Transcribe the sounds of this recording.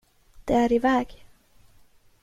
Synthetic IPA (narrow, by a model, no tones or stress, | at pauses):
d̪̥ɛæɾɪvɛːɡ